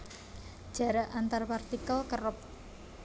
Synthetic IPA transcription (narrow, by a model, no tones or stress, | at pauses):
ʒ̥a̤ɾaʔʔant̪arpart̪ikalkərəp̚